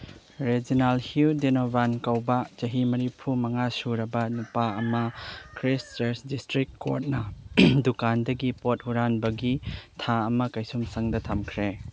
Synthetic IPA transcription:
ɾed͡ʒinalhiwdenobankɐwbɐd͡ʒɐɦimɐɾipʰumɐŋasuɾɐbɐnupaɐmɐkʰɾist͡ʃeɾsdistɾikːo̰t̚nɐdukandɐɡipot̚huɾanbɐɡitʰaɐmɐkɐjsumsɐŋdɐtʰamkʰɾe

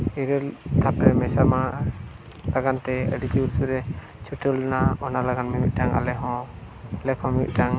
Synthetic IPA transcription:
iɾɛlt̪ʰapɾɛmɛsama | laɡant̪ɛə̰ɖit̪iuɾsuɾɛ | t͡ʃʰuʈʰəlnaɔnalaɡanmimit̪̚ʈaŋa̰lɛɦɔ̃ | lɛkʰɔ̃miḭʔ̪̚ʈaŋ

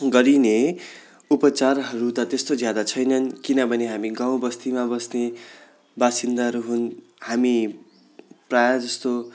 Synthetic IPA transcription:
ɡʌɾine | upʌt͡sarɦʌɾut̪ʌt̪est̪od͡zjad̪at͡sʰʌjnʌnkinʌbʱʌneɦamiɡãw̃bʌst̪imabʌsne | basind̪aɦʌɾuɦun | hami | prajad͡zʌst̪o

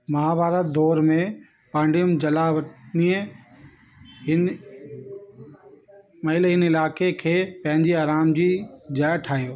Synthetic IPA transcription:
mɐɦabʱaːɾət̪̚d̪ɔːɾmẽ | pãːɳɖijʊmd͡ʑɐlaʋɐʈniə | ɦɪn | mɐɦɪlɦɪnɪlaːkekʰeːpɐ̃ɦɪ̃ɲd͡ʑiaːɾaːmd͡ʑiːd͡ʑaːjʈʰaːɦijoː

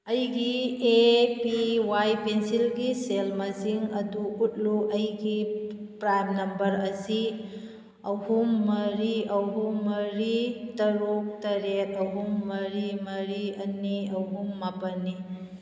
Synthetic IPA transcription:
ɐjɡiepiwajpensilɡiselmɐziŋɐduːt̚luʔɐjɡipɾajmnɐmbɐɾɐsi | ɐhumːɐɾiɐɦumːɐɾitɐɾuk̚tɐɾet̚ɐɦumːɐɾimɐɾiɐniɐɦumːapɐnːi

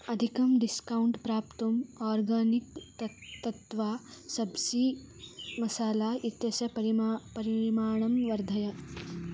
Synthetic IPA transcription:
ɐd̪ʱikɐmɖiskauɳʈpɾaːpt̪umɔːɾɡaːnik̪ | t̪ɐt̪ʋaːsɐbsi | mɐsaːlait̪jɐsɐpɐɾpɐɾimaːɳ̃ɐmʋɐɾd̪ʱɐja

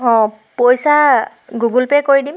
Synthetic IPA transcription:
ɦɔ̃ | pojsa | ɡuɡulpɛkoɹidim

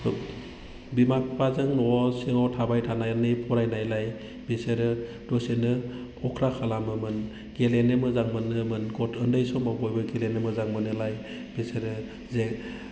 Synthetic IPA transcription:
bimak̚pazɯŋnɔsiŋɔwtʰabajtʰanajanɯpʰɔɾajnajlaj | beseɾɯ | d̥ɔsenɯ | ɔkʰɾakʰalamɯmɯn | ɡ̥elenemɯzaŋmɯnɯmɯnɡɔtɯndɯjsɔmabɔjbɯɡelenɯmɯzaŋmɯnɯlaj | b̥eseɾɯ | ze

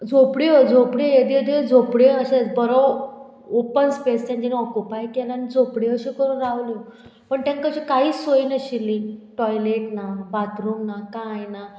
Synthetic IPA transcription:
d͡zopɽiəd͡zʱopɽijed̪iəd̪iəd͡zopɽeəɕebəɾɔ | opənspest̪ãɲt͡ɕinɔkupajkɛlanid͡zopɽeəɕiːkəɾuːnɾaʋli | pəɳt̪ãnkəɕikaɦiːsoinəɕiliʈɔjleʈnabat̪ɾoŋɡnakãjna

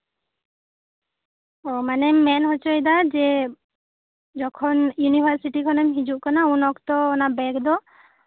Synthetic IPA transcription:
ɔmanɛmɛnɦɔt͡ʃɔjd̪ad͡ʒɛ | d͡ʒɔkʰɔnjunipʰaɾsiʈikʰɔnɛmɦid͡ʒuʔkanaunɔkt̪ɔːnabɛkd̪ɔ

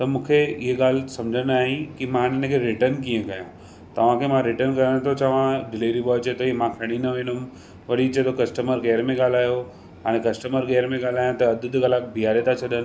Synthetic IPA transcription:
t̪ɐmũːkʰeɪɦeɠaːl̤sɐ̃md͡ʑʱənaːɦẽkimãɪnɪnẽkʰeɾɪʈəɾnkiə̃kɐjã | t̪ɐʋ̤ãkʰemãɾɪʈənkɐɾəɽ̃t̪ʰot͡ɕɐʋ̤ãɖɪleːɾibɔːt͡ɕet̪oimãkʰɐɽ̃inɐʋẽːnʊm | ʋɐɽit͡ɕet̪ʰokɐsʈəməɾɡeːɾmẽɠaːl̤aːjo | ɦaːɽ̃ẽkɐsʈəməɾɡeːɾmẽɠaːl̤aːjãt̪ɐɐd̪ʱʊd̪kɐlakbʱijaːɾet̪at͡ɕʰɐɗ̪ənɪ̆

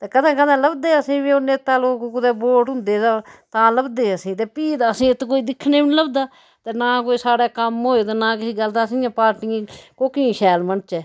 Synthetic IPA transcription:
t̪eːkəd̪ãːkəd̪ãːləbd̪eːəsĩːʋiːoneːt̪aːloːkokʊd̪eːboːʈʊ̃nd̪eːd̪aːt̪ãːləbd̪eːəsĩːt̪eːpiːd̪aːəsĩːɪt̪koːiːd̪ɪkʰːneːʋɪnləbd̪aː | t̪eːnaːkoːiːsaːɽaːkəmɦoːeːt̪eːnãːkɪsiːɡəlt̪aːsĩːãːpaːɾʈɪːẽːkoːkɪĩːʃɛːlmənt͡ʃɛː

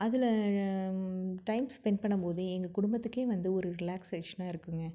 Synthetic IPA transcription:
ɐðɪl | ʈɐɪmspɛɳpɐɳːɐpoːðɯɛŋɡɐkʊɽʊmbɐt̪ːɯkːeːʋɐnd̪ɯɔɾɯɾɪlaːkseːʂɐnaːɪɾɯkːɯŋɡɐ

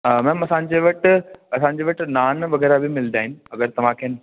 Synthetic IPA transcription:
mɛ̃ːmɐsãːɲ̆d͡ʑeːʋɐʈɪɐsãːɲ̆d͡ʑeːʋɐʈɪnaːnʋɐɣɛːɾabɪmɪld̪aːɦɪnɪɐɡəɾt̪ɐʋ̤ãkʰeːn

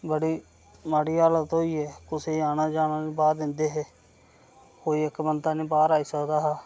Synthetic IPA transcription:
bəɽiː | maɽiːaːlət̪ɦoːiːɛːkʊseːaːnaːd͡ʒaːnaːniːbaːɾd̪ɪnd̪eːɦɛː | koːiːɪkbənt̪aːnĩːbaːɾaːiːsəkd̪aːɦaː

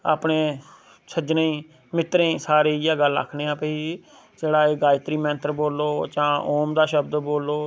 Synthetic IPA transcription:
a̰ːpɳeː | səd͡ʒnẽĩː | mɪt̪ɾẽːsaːɾeːaːɡəla̰kʰneːãpeːiː | d͡ʒeːɽaːeːɡaːɪt̪ɾiːmɛ̃ːnt̪əɾboːlːoːd͡ʒãːoːmd̪aːʃəbd̪boːlːoː

